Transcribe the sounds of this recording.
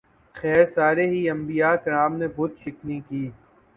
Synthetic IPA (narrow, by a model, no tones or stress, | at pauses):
xɛːɾsaːɾeɦiɐ̃mbijakɐɾaːmnebʊt̪ʃɪknĩkiː